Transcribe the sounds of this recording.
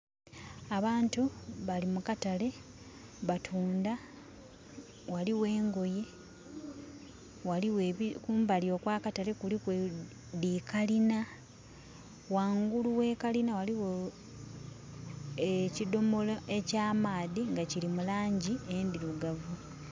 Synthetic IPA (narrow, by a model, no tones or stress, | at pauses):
aβaːntuβalimukatale̞ | βatʰuːnda | waliwe̞ːŋɡo̞je̞ | waliweikuːmbalio̞kwaːkatale̞kulikwe | diːkalina | waːŋɡuluwe̞ːkalinawaliwo | ecido̞moloe̞caːmaːðiŋɡacilimulaːɲɟiendiɾuɡavu